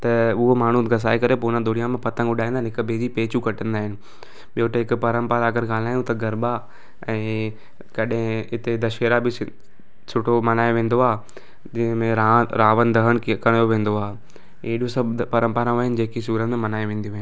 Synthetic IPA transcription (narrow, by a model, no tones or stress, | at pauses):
t̪ɐʊɦomaːɳ̤ũɡɐs̬aːikɐɾepoːnə̃d̪oːɽijãmẽpɐt̪ə̃ŋʊɗaːĩnd̪aɦɪnɪɦɪkbeːd͡ʑipeːt͡ɕukɐʈə̃nd̪aːɦɪnɪ̆ | ɓijoʈ̪ɐɦɪkpɐɾə̃mpəɾaɐɡəɾɡaːlaːjũt̪ɐɡɐɾba | ɛ̃ː | kɐɗɦɪ̃ɪt̪ed̪ɐʃeːɾabɪ | sʊʈʰomɐnaːjoʋẽːn̆d̪oaː | d͡ʑɪɦə̃mẽɾaɾaːʋənd̪ʱɐɦəɽ̃kɐɽ̃joʋẽːnd̪oaːe | eːɗjõsɐbpɐɾə̃mpəɾãʋaɦɪnɪ̆d͡ʑeːkisuːɾət̪mẽmɐnaːjoʋẽːn̆d̪ijũɦɪn